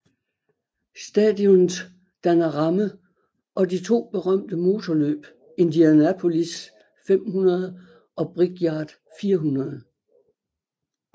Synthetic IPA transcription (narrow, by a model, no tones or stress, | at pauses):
sd̥ɛ̰ːd̥jɔn̩ | d̥ænɐʁɑ̈mə | ʔɒ̽dit͡sʰo̝̰ːb̥e̝ʁɶm̰d̥əmo̝ːt͡sʰɒlø̰ːb̥ | e̝nd̥iænæpʰo̝lis | fem̰hunɐð̞ˠə | ɒ̽b̥ʁiɡ̥jɑ̈ːd̥ | fiːɐɦunɐðˠ